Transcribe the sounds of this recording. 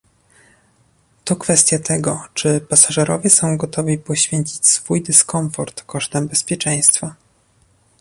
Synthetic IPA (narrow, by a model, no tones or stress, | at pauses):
t̪ɔkfɛst̪ʲjat̪ʰɛɡɔt͡ʂɘpasaʐɛɾɔ̰vʲjɛsɔ̃w̃ɡɔt̪ʰɔvʲipɔɕfʲjeɲt͡ɕit͡ɕsfujd̪ɘskɔɱfɔɾt̪kɔʂt̪ɛmbɛspʲjɛt͡ʂɛ̃j̃st̪fa